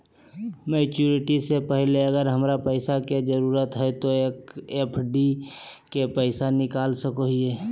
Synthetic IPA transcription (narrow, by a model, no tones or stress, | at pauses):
meːt͡ʃuːɾɪʈisepəɦleəɡəɾɦəmɾapəɪsaked͡ʒəɾuːɾət̪ɦɛt̪oeːkeːpʰɖikepəɪsanɪkaːlsəkoɦieː